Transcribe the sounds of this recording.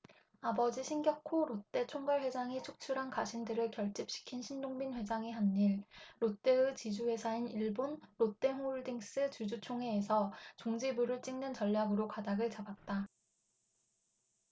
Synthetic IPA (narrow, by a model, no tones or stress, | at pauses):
abʌd͡ʑiɕʰinɡjʌkʰoɾot͈e̞t͡ɕʰoŋɡaɭɸwe̞d͡ʑaŋet͡ɕʰok̚t͡ɕʰuɾɦankaɕʰindɯɾɯɭkjʌɭt͡ɕ͈ip̚ɕ͈i̥kʰinɕʰindoŋbinɸwe̞d͡ʑaŋiɦanːiɭɾot͈e̞ɯt͡ɕid͡ʑuhwe̞sʰainiɭbonɾot͈e̞mouɭdiŋs͈ɯt͡ɕud͡ʑut͡ɕʰoŋɦe̞ːsʰʌt͡ɕoŋd͡ʑibuɾɯɭt͡ɕ͈iŋnɯnt͡ɕʌʎːaɡɯɾokadaɡɯɭt͡ɕabat̚t͈a